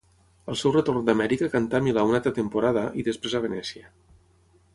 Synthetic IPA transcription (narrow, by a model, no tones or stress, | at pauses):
əlˠsɛwrət̪ornd̪amɛɾikəkant̪amilaunat̪ət̪əmpuɾaðəʔiðəspɾezaβ̞ənɛsiə